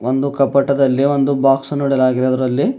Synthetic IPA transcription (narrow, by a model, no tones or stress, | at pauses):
ond̪ukɐpɐʈːɐd̪ɐlːiʋo̞nd̪ubaːksɐnoɽɛlaːɡid̪eɐd̪ɐɾɐlːi